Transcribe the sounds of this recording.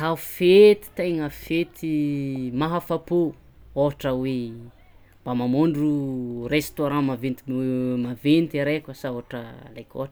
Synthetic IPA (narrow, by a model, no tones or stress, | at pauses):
hafet̪i̥t̪ajŋəfet̪imaɦafapo | oʈ͡ʂəwe | mb̥amamoɳɖ͡ʐurest̪oɾãmavent̪imavent̪iɾekəsaoaʈ͡ʂə̰lajkʲo̰ɦʈ͡ʂ